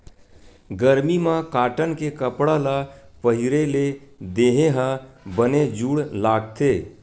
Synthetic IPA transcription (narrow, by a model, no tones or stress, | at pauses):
ɡəɾmimãkaːʈənkekəpɽalapəɦɪɾeled̪eːɦeɦãbəned͡ʒuːɽlaːɡt̪ʰeː